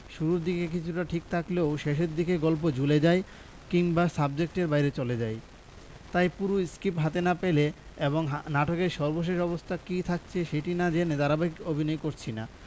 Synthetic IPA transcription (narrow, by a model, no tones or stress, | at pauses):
ʃuɾuɾd̪ikek̬it͡ɕʰuʈaʈʰik̚t̪ʰakleoʃeʃeɾd̪ikeɡɔlp̬od͡ʑuled͡ʑaj | kiŋbasab̚d͡ʑek̚ʈeɾbajɾet͡ɕoled͡ʑaj | t̪ajpuɾuskipɦat̪enapele | eboŋɦnaʈʰokeɾʃɔɾboʃ̬eʃɔbost̪ʰakit̪ʰak̚t͡ɕʰeʃeʈinad͡ʑened̪aɾabaɦikkobʱinɔjkoɾt͡ɕʰina̰